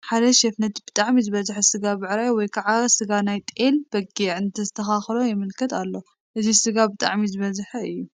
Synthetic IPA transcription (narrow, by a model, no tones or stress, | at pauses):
ħad̪ɐʃɛfnɐt̪b̥ɨt̪ʼaʕmizɨβɐzħɐsɨɡabɨʕɾajwɔjkʰaʕasɨɡanajt̪ʼelb̥ɐɡeʕɨnt̪ʰɐzɨt̪ʰɐxaxlo̞jɪmɨlkʰɐt̪alːo | ʔɨzisɨɡabɨt̪ʼa̰ʕmizɨβɐzħɐɨjːu